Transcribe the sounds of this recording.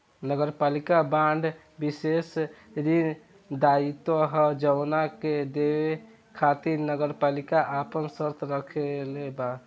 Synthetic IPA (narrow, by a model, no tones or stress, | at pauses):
nəɡəɾpalikabaɳɖʱ | bisesɾin | d̪ait̪wəɦəd͡ʒəwnaked̪ewe | kʰat̪iɾnəɡəɾpalikaʔapənsəɾt̪ʰɾəkʰeleba